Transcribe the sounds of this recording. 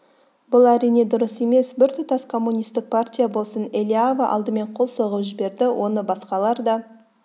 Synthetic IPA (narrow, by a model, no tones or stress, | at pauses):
bʊlˠæɾijne̞d̪ʊɾəse̞me̞sbɪɾt̪ʰʊt̪ɑskʰo̞mːunʲijst̪ɪk̚pʰartʲijabo̞lˠsənelʲiavəʔɑ̰lˠd̪əme̞ɴqʰo̞lˠso̞ʁəpʒɪbe̞ɾd̪ɪwʔo̞nəbɑsqɑlˠɑɾd̪ɑ